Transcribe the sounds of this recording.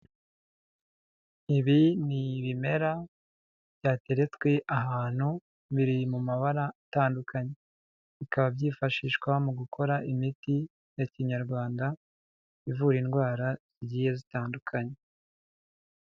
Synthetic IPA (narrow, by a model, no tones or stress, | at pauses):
iβiniβime̞ɾa | bjaːte̞ɾet͡swe̞ʔaɦaːn̥hu | βiɾimumaβaɾataːndukʰaɲe̞ | βikaβabɟiːfaʃiːʃwamuɡukʰo̞ɾaʔimiti | jaciɲaɾɡwaːnda | ivuɾinɡwaːɾaz̥iɟiːje̞zitaːndukʰaɲe̞